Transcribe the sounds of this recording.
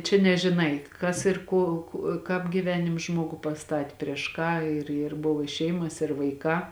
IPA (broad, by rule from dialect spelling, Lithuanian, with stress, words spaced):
t͡ʃʲɛ nʲɛʒʲɪˈnɐɪ ˈkɐs ɪr ˈkoː kʊ ˈkɑːp ɡʲiːˈʋʲæːnʲɪms ˈʒmoːɡuː pɐˈstɑːtʲɪ pʲrʲiɛʃ ˈkɑː ɪr ɪr ˈbʊʋoː ɪ ˈʃʲɛɪmɐs ɪr ʋɐɪˈkɑː